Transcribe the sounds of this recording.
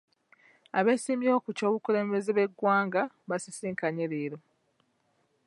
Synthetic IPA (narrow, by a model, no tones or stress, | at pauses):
aβe̞ːsimjio̞ːkuco̞ːβukule̞ːmbe̞zeβe̞ɡːwaːŋɡa | βasisiːŋkaɲeɾeːɾo